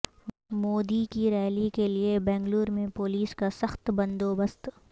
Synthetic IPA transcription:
moːd̪ikiɾɛːlikeliebɛ̃ːŋɡluːɾmẽpoːliːskasɐxt̪bɐ̃nd̪oːbəst̪

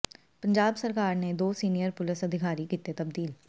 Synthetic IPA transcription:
pə̃ɲd͡ʒaːbsəɾkaːɾned̪oːsiːnijəɾpʊlɪsəd̪ʱɪkʰaːɾikiːt̪et̪əb̚d̪iːl

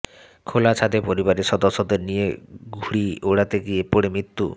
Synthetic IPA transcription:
kʰolat͡ɕʰad̪epoɾibaɾesɔd̪ɔsːod̪eɾnijeɡʱuɽioɽat̪eɡiepoɽemɾit̪ːu

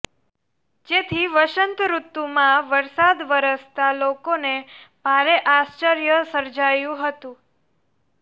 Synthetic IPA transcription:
d͡ʒet̪ʰiʋəʃənt̪ɾut̪ːumãʋəɾsad̪ʋəɾəst̪alokonebʱaɾeʔast͡ʃəɾjəsəɾd͡ʒajũɦət̪ũ

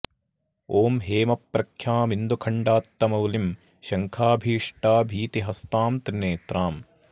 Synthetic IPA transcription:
oːmɦeːmɐpːɾɐkʰjaːmind̪ukʰɐɳɖaːt̪ːɐmɐwlim | ʃɐŋkʰaːbʱiːʂʈaːbʱiːt̪iɦɐst̪aːmt̪ɾineːt̪ɾaːm

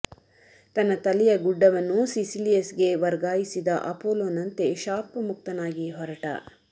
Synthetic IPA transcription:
t̪ɐnːɐt̪ɐlijɐɡuɖːɐʋɐnːusisilijɐsɡe̞ʋɐɾɡaːjisid̪ɐʔɐpoːloːnɐnt̪e̞ʃaːpɐmuk̚t̪ɐnaːɡiɦɔɾɐʈɐ̰

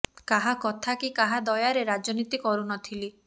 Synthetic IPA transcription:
kaɦakɔt̪ʰakikaɦad̪ɔjaɾeɾad͡ʒɔnit̪ikɔɾunɔt̪ʰili

